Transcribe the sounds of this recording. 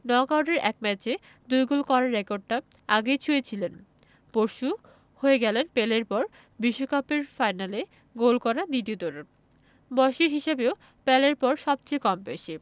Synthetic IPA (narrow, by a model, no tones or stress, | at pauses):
nɔkawʈeɾʔɛk̚mɛt͡ɕe | d̪ujɡolkɔɾaɾːekoɾɖ̚ʈaaɡejt͡ɕʰuet͡ɕʰilen | poɾʃu | hoeɡɛlenpeleɾpɔɾ | biʃːokapeɾfajnale | ɡolkɔɾad̪iʈiot̪oɾe | bɔʃiɾɦiʃebeo | pɛleɾpɔɾʃɔb̚t͡ɕejkɔmpeʃe